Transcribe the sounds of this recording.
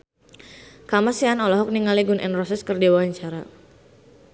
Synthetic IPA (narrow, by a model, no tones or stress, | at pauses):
kamasianɔlɔɦɔk̚niŋaliɡunʔɛ̰nrɔsɛskərdewaaɲt͡ʃaɾa